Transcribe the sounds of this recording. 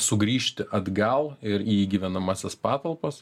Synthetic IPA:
sʊɡɾʲiːʃʲt̪ʲɪʔɐd̪ɡɐlˠɪɾiːɡʲiʋʲɛnɐmɑsʲɛspɑːt̪ɐlˠpɐs

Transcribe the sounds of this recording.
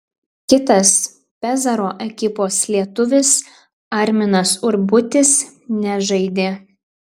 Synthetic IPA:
kʲɪt̪ɐs | pʲɛzɐɾoːʔɛkʲɪpoːslʲiɛt̪ʊʋʲɪs | ɐɾʲmʲɪnɐsʊɾbʊt̪ʲɪs | nʲɛʒɐɪd̪ʲeː

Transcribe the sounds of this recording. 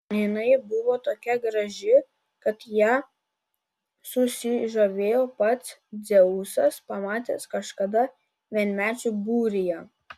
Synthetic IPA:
jɪnɐɪbʊʋoːt̪oːkʲɛɡɾɐʒʲɪ | kɐt̪jæː | sʊsʲɪʒɐʋʲeːjoːpɐt̪sd̪zʲɛʊsɐspɐmɑːt̪ʲḛːskɐʃkɐd̪ɐ | ʋʲiɛnʲmʲæːt͡ʃʲubuːɾʲɪjɛ

